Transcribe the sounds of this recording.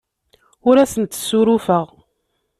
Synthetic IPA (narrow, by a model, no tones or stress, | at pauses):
ʊɾæsənt̪ːsːuɾʊfəʁ